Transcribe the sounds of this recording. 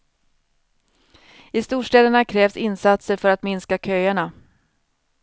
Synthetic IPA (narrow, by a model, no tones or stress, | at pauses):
ɪst̪uːʂʈɛːd̪əɳakʰɾɛːvsɪnsat̪səɾfœɾat̪mɪnskakʰœːaɳa